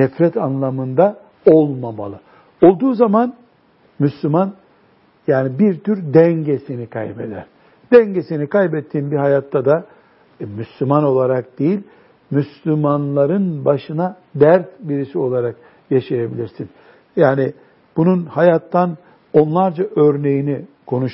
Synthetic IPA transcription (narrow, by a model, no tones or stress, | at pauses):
nɛfɾɛt̪ʰanlˠamɯnd̪a | o̞lˠmama̰lˠɯ | o̞lˠd̪uːzaman | myslʲyman | jaːnibiɾt̪ʰyɾd̪ɛɲɟesinikʰa̰jbed̪æ̰ɾ̥ | d̪̥ɛɲɟesinikʰajbɛt̪ʰːiːnbiɦajat̪ʰːad̪a | myslʲymano̞lˠaɾak̚d̪̥ejilʲ | myslʲymanlˠaɾɯnbaʃɯna | d̪æɾt̪biɾisio̞lˠaɾak | jaʃajabilʲiɾsin | jaːni | b̥ununhajat̪ʰːan | o̞nlˠaɾd͡ʒaʔøɾne̞jinikʰo̞nuʃ